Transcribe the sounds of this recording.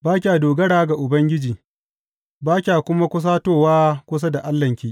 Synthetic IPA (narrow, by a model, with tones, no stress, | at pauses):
baː˦kʲaː˨doː˨ɡɐ˦ɽaː˦ɡa˨ʔʊ˨bɐ˦ŋɡʲɪ˦d͡ʒiː˨ | baː˦kʲaː˨kʷʊ˦ma˦kʷʊ˦s̬aː˦toː˦˨waː˦kʷʊ˦s̬a˦da˨ʔa˦lːɐ˨ŋkʲiː˦˨ʔ